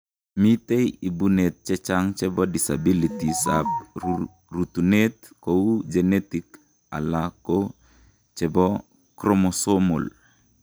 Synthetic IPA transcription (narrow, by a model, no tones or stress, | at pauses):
mit̪ejibunet̪̚t͡ʃɛt͡ʃaŋt͡ʃɛbɔdisa̰bilitisa̰p̚ | rut̪unet̪̚ | kod͡ʒɛnetik | a̰lako | t͡ʃɛbɔ | kɾɔmosomo̰l